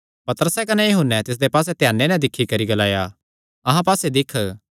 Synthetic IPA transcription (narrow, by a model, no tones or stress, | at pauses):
pɐt̪əɾəsɛkɐnɛjɐɦʊnːɛt̪ɪs̬d̪epaːsɛt̪jaːnːenɛ̃d̪ɪkʰːikɐɾiɡɐlaːja | ɐɦãpaːsed̪ɪkʰːə